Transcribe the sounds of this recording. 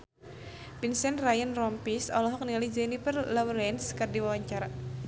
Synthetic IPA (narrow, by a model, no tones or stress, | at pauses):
pinsɛnrajənrɔmpisɔlɔɦɔk̚nialid͡ʒɛnifərlɔwɾɛnskɨrdiwawaɲt͡ʃaɾa